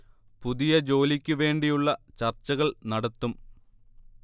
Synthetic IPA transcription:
puðijɐd͡ʑo̞ːlikʲːuʋe̞ːɳɖijuɭːɐt͡ɕɐrt͡ɕːɐɣɐɭnɐɽɐt̪ːum

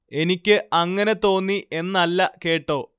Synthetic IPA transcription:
e̞nikʲːɨɐŋːɐne̞t̪o̞ːnːiʔe̞nːɐlːɐke̞ːʈːo̞ː

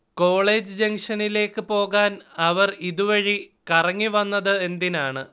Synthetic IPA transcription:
ko̞ːɭeːd͡ʑɨd͡ʑeŋʂɐnile̞ːkːɨpo̞ːɣaːnɐʋɐriðuʋɐɻikɐrɐŋːiʋɐnːɐðɨe̞nd̪inaːɳɨ

